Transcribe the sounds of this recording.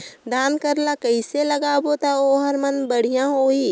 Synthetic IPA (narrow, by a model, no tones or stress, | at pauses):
d̪ʱaːnkɐɾlakɐiselɐɡaːbot̪aoːɦɐɾmɐnbɐɽ̤ijãɦoːiː